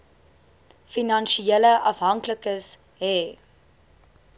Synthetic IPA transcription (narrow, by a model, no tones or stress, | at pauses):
finɐnʃieləʔɐfɦɐŋkləkəs | ɦɛ